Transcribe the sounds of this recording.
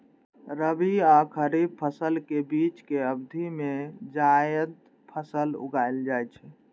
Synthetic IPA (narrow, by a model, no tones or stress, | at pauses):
ɾəbiakʰəɾib̚pʰəsəlkebit͡ʃkeəbd̪ʱimed͡ʒajəd̪ | pʰəsəlṵɡaɪld͡ʒajt͡ʃʰɛ